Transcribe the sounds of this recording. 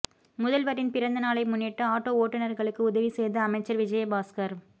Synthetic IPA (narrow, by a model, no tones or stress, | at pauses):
mʊðɐlʋɐɾɪnpɪɾɐnd̪ɐnaːɭɐɪmʊnːɪʈːɐaːʈːoːoːʈːɐnɐɾɣɐɭɯkːɯʊðɐʋisɛjðɐɐmɐɪt͡ʃːɐɾʋɪd͡ʒɐjɐbaːskɐɾ